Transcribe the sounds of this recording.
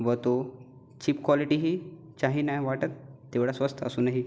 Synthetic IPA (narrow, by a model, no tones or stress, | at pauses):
ʋət̪o | t͡ɕiːpkʋɔliʈiɦiː | t͡ɕaɦiːnajʋaʈət̪ː | eʋɽasʋəst̪ʰə̰suːnaɦi